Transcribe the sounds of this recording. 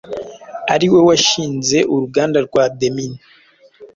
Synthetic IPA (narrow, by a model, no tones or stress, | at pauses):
aɾiwe̞waʃiːnze̞ʔuɾuɡaːndaɾɡwademini